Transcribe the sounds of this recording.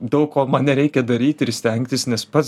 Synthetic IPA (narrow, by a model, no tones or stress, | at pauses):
d̪ɐʊkkoːmɑnʲɛɾʲɛɪkʲɛd̪ɐɾʲiːt̪ʲɪɾsʲt̪ʲɛŋʲkt̪ʲɪsnʲɛspɐ